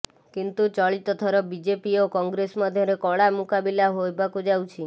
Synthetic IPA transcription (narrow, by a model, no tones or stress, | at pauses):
kint̪ut͡ʃɔɭit̪ɔt̪ʰɔɾɔbid͡ʒepiokɔŋɡɾesmad̪ʱjɔɾekɔɭamukabilaɦojbakud͡ʒawt͡ʃʰi